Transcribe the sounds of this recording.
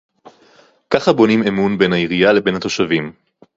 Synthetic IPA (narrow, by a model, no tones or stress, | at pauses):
kaχabo̞nimemunbe̞nhaiʁijale̞be̞nhat̪o̞ʃavim